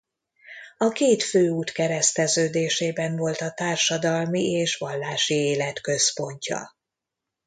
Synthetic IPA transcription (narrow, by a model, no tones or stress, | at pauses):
ɒkeːt̪føːuːt̪kɛɾɛst̪ɛzøːd̪eːʃeːbɛɱvo̞lt̪ɒt̪aːrʃɒd̪ɒlmieːʃʋɒlːaːʃieːlɛt̪kø̞spo̞ɲcɒ̰